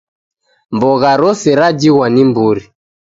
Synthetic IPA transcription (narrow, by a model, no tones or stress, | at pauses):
mbɔɣaɾɔsɛɾad͡ʒiɣwanimbuɾi